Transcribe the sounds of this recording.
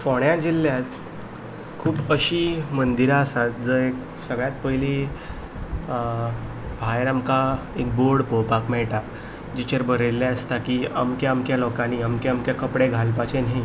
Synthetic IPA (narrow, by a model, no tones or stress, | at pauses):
fɔɳjãd͡ʑilːjat̪ | kʰuːbəɕiːmənd̪iɾaəsat̪̚d͡zəɾek | səɡɭjãt̪̚pəjli | bʱajɾamka | ek̚boɾɽpopakmɛɭʈa | d͡ʑit͡ɕeɾbəɾelːjaəst̪akia̰mkjaəmkjalɔkãniamkeəmkjakəpɽeɡʱalpat͡ɕenɦi